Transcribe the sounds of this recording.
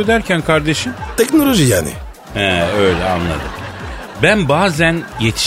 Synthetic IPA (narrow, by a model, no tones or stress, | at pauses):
ød̪æɾcʰænkʰaɾd̪e̞ʃɯmt̪ʰɛcno̞lˠo̞ʒijaːnɪ̰ | hɛøjlʲɛa̰nlˠa̰d̪ɯ̰m | bænbaːzænjet̪ʰi̥